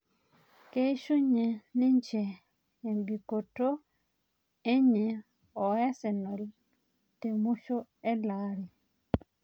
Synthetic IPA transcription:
ke˦i˦ʃu˦ɲe˨ni˦ɲt͡ʃeː˨ | mbi˨ko˨to˦ | e˦ɲe˨ | o˨ja˦se˨no˨l | te˨mu˦ʃo˦e˦laː˨ɾi˨

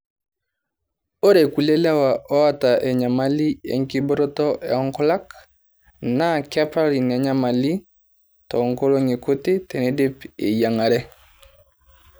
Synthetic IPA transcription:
o˦ɾe˨ku˨le˦la˦wa˨ɔ˦a˦ta˨ʔɛ˨ɲa˨ma˦li˦ḛ˨ŋki˦bo˦ɾo˦tɔ˦ʔɛ̰˨ɔ˦ŋkɔ˦la˦k | na˦ka˦pa˦ɾi˨n˨a˨ɲa˦ma˨li˦ | tɔ˨ŋko˦lo˦ŋe˨ko˦te˦tɛ˨ne˦de˦pḛ˨ja˨ŋa˨ɾɛ˦

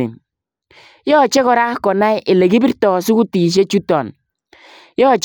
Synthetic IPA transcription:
ḭ˨ | jɔ˦˨t͡ʃe˦kɔ˨ɾa˦kɔ˨na˦jʔe˨le˨ɡi˦bi˦ɾtɔ˨su˦ku˦ti˨ʃ̬e˦t͡ʃu˦tɔ˨n | jɔ˦˨t͡ʃ

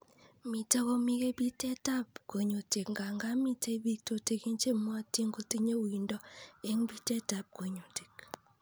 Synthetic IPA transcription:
mi˨ta˦kɔ˦mi˦ke˦bi˦tɛ˦ta˦pko˨ɲo˨te˨kŋɡa˨ŋɡa˦mi˦te˦bi˦k̚to˨te˨˦ki˦nt͡ʃe˦mwa˦ti˦ŋɡo˦ti˦ɲe˦wi˨ndɔ˦e˦ŋbi˦tɛ˦ta˨p̚ko˨ɲo˨te̥˨k

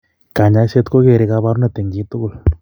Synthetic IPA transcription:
ka˨ɲa˧˦se˦t̪ko˦ɡe˧˨ɾe˧˦ɡa˧ba˦ɾu˦ne˦˧t̪e˨ŋɡi˦t̪u˦ɡu˦˨l

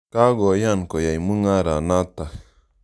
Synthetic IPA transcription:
ka˦ɡo˨ja˦˨nko˨ja˨jmu˦ŋa˦ɾa˨na˦t̪a˨

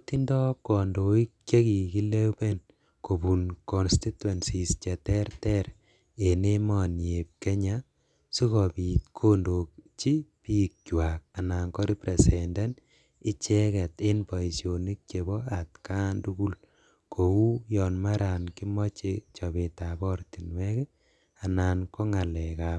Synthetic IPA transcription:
ti˦ndɔ˦kɔ˨ndo˨i˦k̚t͡ʃe˦ki˨ki˦le˦be˦n | ko˨bu˨nkɔ˨nsti˦twe˨nsi˨st͡ʃɛ˨tɛ˦rtɛ˦ɾ | e˨ne˦mɔ˨nje˨p̚ke˦ɲa | su˦kɔ˨pi˨tkʰo˦ndo˨k̚t͡ʃi˦pi˦k̚t͡ʃwa˨k̚a˨na˨ŋkɔ˦ɾi˦pɾe˨sɛnda˦n | ɪ˦t͡ʃɛ˦kɛ˨te˦npa˨i˨sjo˨ni˦k̚t͡ʃe˨bɔ˦a˨tka˦ndu˦ɡu˦l | kʰo˨wu˦jɔ˨nma˦ɾa˨nki˦mɔ˦t͡ʃet͡ʃɔ˨be˨ta˨bɔ˦ɾti˨nwɛ˦kɛ˦ | a˨naː˨nkɔ˦ŋa˨lɛ˨ka˨p

